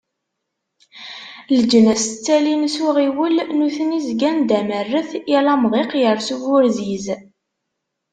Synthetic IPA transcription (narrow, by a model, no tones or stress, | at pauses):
ləd͡ʒənæst͡sːælinsuʁiwəlnuθənizɡænd̪æmərːəθjælæmʁiqjəɾˤsuvʊɾziz